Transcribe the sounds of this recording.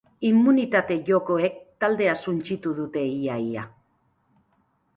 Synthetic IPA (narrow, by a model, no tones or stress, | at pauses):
imːunit̪at̪e̞ʝoko̞ek̚t̪ald̪e̞asunt͡ʃit̪uðut̪e̞iaja